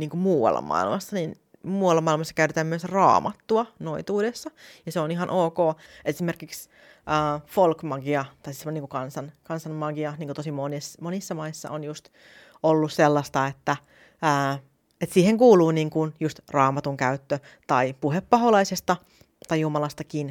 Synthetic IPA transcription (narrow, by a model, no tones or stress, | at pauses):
niːŋkumuːwɑ̰lːɑ̰mɑ̰ḭlmɑsːɑnin | muːwɑlːɑmːɑilmɑsːɑkæyt̪et̪æːmmyøsrɑ̰ːmʔɑt̪ːuɑnoit̪uːdesːɑjɑseoniɦɑnʔoːkoːesimerkiks | ʔəːfolkmɑɡiɑt̪ɑisisniːŋkukɑnsɑnkɑnsɑmmɑɡiɑniːŋkot̪osimonesmonisːɑmɑisːɑ̰onjust̪ | olːusselːɑst̪ɑet̪ːæː | et̪siːheŋkuːluːniːŋkunjust̪rɑːmɑt̪uŋkæyt̪ːø | t̪ɑipuhepːɑɦolɑisest̪ɑ | t̪ɑjjumɑlɑst̪ɑkin